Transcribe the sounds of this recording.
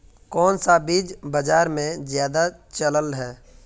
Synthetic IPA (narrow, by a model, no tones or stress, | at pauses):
kɔːnsabiːd͡ʒbəd͡ʒaːɾmẽzjaːd̪at͡ʃələlɦɛː